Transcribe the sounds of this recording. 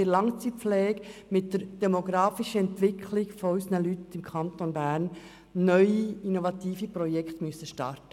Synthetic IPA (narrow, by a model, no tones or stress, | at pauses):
ɪɾlɑŋt͡siflɛːɡmɪtːəɾd̥ɛmoɡɾɑːfiʃəɛntʋɪkʰlɪɡfɔysnəlytɪmkʰɑnt̪onbæːɾnː | œʏiinovɑt̪iːfipɾɔjɛkχt̪myəsəʃtɑ̰rtə